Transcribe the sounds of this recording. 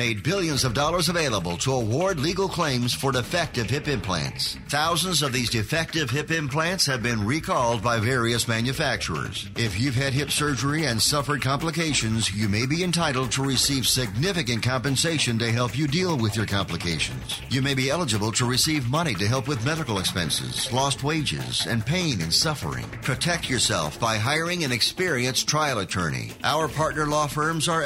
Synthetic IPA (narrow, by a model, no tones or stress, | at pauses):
meɪd̚bɪlˠjɨ̃nzʌvdɔlˠə˞zəveɪlˠəbəl̩ˠtʰəəwɔɹdˡliɡl̩ˠkʰl̥ẽɪ̃mz̥fə˞dɨfɛk̚tɨv̥hɪpɪ̃mpʰl̥æ̰̃ntsθaʊzə̃n̩zʌvðizdɨfɛk̚tɨv̥ɦɪpɪ̃mpʰl̥æ̃ntshɨvbɪ̃nɹikʰɔlˠd̚baɪvɛɹiɨsmæ̃njɨfæk̚t͡ʃə̰˞ə̰˞z̥ɪfjʉv̥ɨd̚ɦɪpsɜ˞d͡ʒə˞iɨ̃nsʌfə˞d̚kʰɑ̃mpləkeɪʃɨ̃nzjɨmeɪbiɨ̃ntʰaɪɾl̩ˠd̚tʰəɹɨsiv̥sɪɡ̚nɪfɨkɨ̃nkʰɑ̃mpɨ̃nseɪʃɨ̃ndeɪɦɛlˠpjɨdilˠwɪðjə˞kʰɑ̃mpləkʰeɪʃɨ̰̃nz̥jɨmeɪbiɛlˠəd͡ʒɨbəl̩ˠtʰəɹɨsivmʌñiɾɨɦɛlˠpwɨðmɛðɨkl̩ˠəkspɛ̰̃nsɪ̰z̥lɔst̚weɪd͡ʒɪ̰zɨ̰̃npʰẽɪ̃nɨ̃nsʌfə̰˞ɪ̰̃ŋpʰɹ̥ɨtʰɛk̚t͡ʃə˞sɛ̰lˠfb̥aɪɦaɪə˞ɪ̃ŋɨ̃nɨkspɪɹiɨ̃nstʰɹ̥aɪl̩ˠətʰɜ̰̃˞ñḭʔaʊə˞pʰɑɹtⁿnə˞lɔfɜ̃˞mzə˞